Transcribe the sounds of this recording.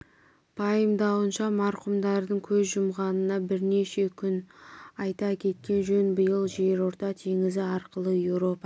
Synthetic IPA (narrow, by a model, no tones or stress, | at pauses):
b̥ʰɑjəmd̪ɑwənʃɑmɑɾqʊmd̪ɑɾd̪əɴkʲʰɵzʒʊmʁɑnənɑbɪɾne̞ʃe̞kʲʰʏnɑjt̪ɑkʲʰe̞t̪̚kʲe̞nʒɵnbəjəlˠʒe̞ɾo̞ɾt̪ɑt̪ʰeŋɪzɪɑɾqəlˠəjewɾo̞pɑ